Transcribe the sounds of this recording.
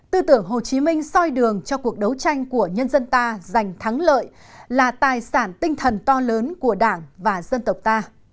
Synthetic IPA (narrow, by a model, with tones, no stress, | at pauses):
t̪ɨ˧t̪ɨ˧˩əŋɦo˨˩t͡ɕi˨˦mï˧ŋ̟sɔ˧jɗɨ˨˩əŋt͡ɕɔ˧ku˨˩ək̚ɗə˨˦wt͡ɕa˧jŋ̟ku˧˩əɲə˧nzə˧nt̪aː˧za˨˩jŋ̟t̪ʰa˨˦ŋlə̰ː˧˨j | laː˨˩t̪aː˨˩jsaː˧˩nt̪ï˧ŋ̟t̪ʰə˨˩nt̪ɔ˧ləː˨˦nku˧˩əɗaː˧˩ŋvaː˨˩zə˧nt̪ə˨˩wk͡p̚t̪aː˧